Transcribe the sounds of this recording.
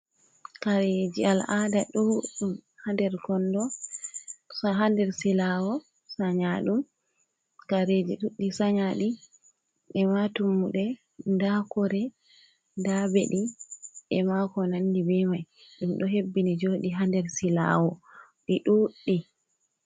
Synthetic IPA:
kaɾed͡ʒialadaɗuɗum | handɛɾkɔndɔ | saɦandɛɾsilawɔ | saɲaɗum | kaɾed͡ʒiɗuɗːisaɲaɗi | ʔɛmatumːuɗɛ | ndakɔɾɛ | ndabḛɗiʔɛmakɔnandibɛmajɗumɗɔɦebːinid͡ʒoɗiɦandɛɾsila̰wɔ | ɗiɗuɗːi

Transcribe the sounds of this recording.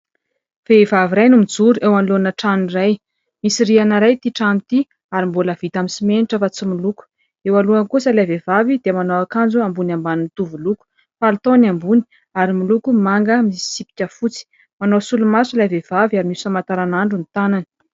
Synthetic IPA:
v̥evaviɾajnumid͡zuɾuʔewanlonəʈ͡ʂaniraj | misirianaɾajt̪iʈ͡ʂanit̪i | aɾimboləv̥it̪amisimeniʈ͡ʂəfat͡similuku̥ | ewaluaŋkusəlavevavid̪emanowakand͡zuambunambanint̪uvuluku̥ | falt̪onambuni̥ | aɾimilukumaŋɡəmisi̥sipi̥kʲəfut͡si̥ | manosulumasulavev̥aviaɾimisamat̪aɾanaɳɖ͡ʐunit̪ananə̥

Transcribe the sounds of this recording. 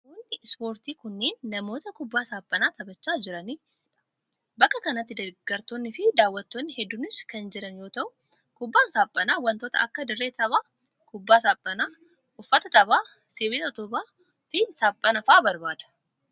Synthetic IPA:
mɔnːɪspo̞ːɾt̪iːkʊnːeːnːɐmo̞ːt̪ɐkʊbːaːsaːpʼːɐnaːt̪ʰɐbɐt͡ʃːaːd͡ʒɪɾɐniː | ᶑɐ̥ | bɐkːɐkɐnɐt̪ːɪd̪ɐɡ̥ɐɾt̪oːnːɪfɪd̪aːwːɐt̪ːoːnːɪhɛd̪ːʊnɪskɐnd͡ʒɛɾɐnjo̞ːt̪ɐʔʊ | kʊbːaːsaːpʼːɐnaːwɐnt̪o̞ːt̪ɐ̰ʔɐkːɐd̪ɪrːeːt̪ʰɐβaː | kʊbːaːsaːpʼːɐnaː | ʔʊfːɐt̪ɐt̪ʼɐβaː | sebeːt̪ɐɔt̪ʊbaː | fɪsaːpʼːɐnɐfaːbɐɾbaːd̪ɐ̥

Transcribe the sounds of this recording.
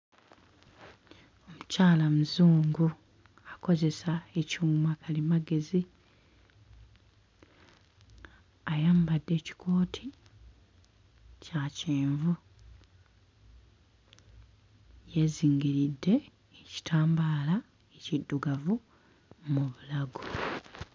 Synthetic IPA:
o̞mucaːlamuzuːŋɡu | ako̞ze̞saecuːŋɡumakalimaɡe̞zi | ajaːmbadːe̞ːci̥kʰo̞ːtʰi | caciːɱvu | je̞ziːŋɡiɾidːe̞ː | ci̥tʰaːmbaːla | ecidːuɡavu | muβulaɡu

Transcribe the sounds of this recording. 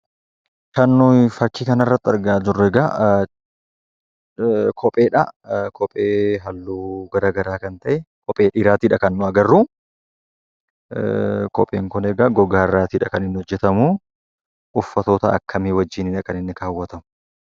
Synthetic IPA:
kɐnːʊfɐkːiːkɐnɐrːɐt̪ːɐɾɡaːd͡ʒʊrːɛɡa | kʰɔpʼeːᶑɐkʰɔpʼeːɦɐlːuːɡɐɾaːɡɐɾaːkɐnt̪ɐʔɛkʰɔpʼeːᶑiːɾaːt̪iːᶑɐkɐnːʊɐɡɐrːuː | kɔpʼeːŋkʊnɛɡaːɡɔɡaːrːaːt̪iːᶑɐkɐnɪnːɪhɔd͡ʒːɛt̪ɐmʊ | ʊfːɐt̪oːt̪ɐɐ̰kʰːɐmiːwɐd͡ʒːiːnɪᶑɐkɐnɪnːɪkaːwːɐt̪ɐmʊ̥

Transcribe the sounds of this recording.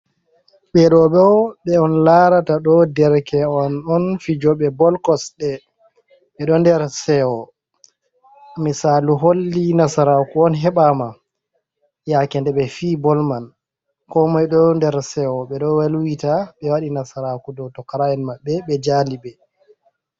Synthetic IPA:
ɓɛɗɔɓɛɔɓɛɔnlaɾataɗɔdɛɾkɛɔnɔnfid͡ʒɔɓɛbɔlkɔsɗɛ | ɓɛɗɔndɛɾsɛɔ | misaːluɦolːinasaɾakuɔnɦɛɓama | jakɛndɛɓɛfiːbɔlman | kɔmajɗɔndɛɾsɛɔɓɛɗɔwalwitaɓɛwaɗinasaɾakudɔtɔkːaɾaɛnmabːɛɓɛd͡ʒalibɛ

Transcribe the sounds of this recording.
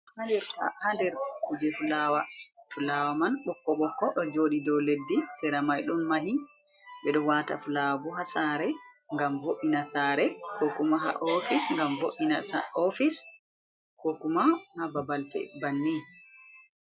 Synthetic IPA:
handɛɾta̰handɛɾtakud͡ʒɛfulawafulawamanɓɔkːɔɓɔkːɔɗɔd͡ʒoɗidɔledːisɛɾamajɗunmaɦi | ɓɛɗɔwata̰fulabuɦasaɾɛŋɡamvoʔinasaːɾɛkokumaɦa̰ʔɔfisŋɡamvoʔinasaɔfis | kokumahababalfɛ̰banːi

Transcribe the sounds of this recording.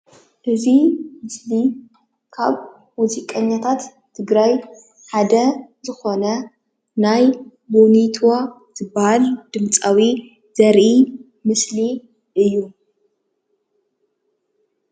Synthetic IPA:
ʔɨzimɨsli | kʰaβː | uzikʼɐɲːat̪ʰat̪ːʰ | ɨɡɾaj | ħad̪ɐzɨxo̞nɐ | naj | bonit̪ʰwa | z̥ɨbːahald̪̥ɨmt͡sʼawi | z̥ɐɾʔi | mɨsli | ʔɨjːu

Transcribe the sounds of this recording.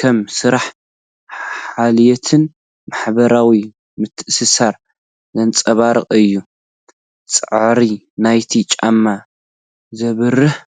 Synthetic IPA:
kʰɐmsɨɾaħ | aljɛt̪ʰɨn | maħbɐɾawi | mɨt̪ʰːɨʔsɨsaɾ | zɐnt͡sʼɐβaɾɨqʼɨjːu | t͡sʼɨʕʕɾi | najt̪ʰit͡ʃʼa̰mːa | zɐβɨrːɨħ

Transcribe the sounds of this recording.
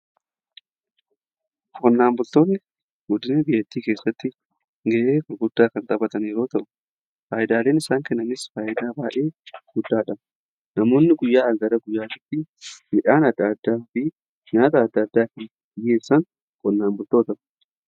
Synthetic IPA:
kʼɔnːaːmbʊlt̪o̞ːnːɪ | ɡʊd̪ɪnɛbɪjːɐt̪ːiːkeːsːɐt̪ːɪ | ŋɡɛʔeːkɐɡʊd̪̥ːaːkɐnt̪ʼɐbɐt̪ɐneːɾoːt̪ɐʔʊ̥ | faːjɪd̪aːleːnɪsaːŋkɛnːɐnɪsfaːjʔɪd̪aːbaːʔe̞ːɡ̥ʊd̪ːaːᶑɐm | nɐmo̞ːnːɪɡʊjːaːɐɡɐɾɐɡʊjːaːt̪ɪt̪ːɪmɪᶑaːnɐd̪ːaːd̪ːaːfɪ | ɲaːt̪ɐːd̪ːɐd̪ːaːkɐn | ɪjːeːsɐŋ | kʼɔnːaːmbʊlt̪oːt̪ɐ

